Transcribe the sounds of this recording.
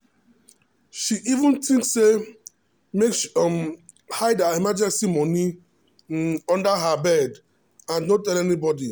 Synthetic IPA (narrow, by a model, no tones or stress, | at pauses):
ʃiʔivũntĩŋksːe | meksm | haɪdaimad͡ʒɛ̃nsimɔni | ɔ̃ndaɦabɛd | ãnnõtɛlɛnibɔdi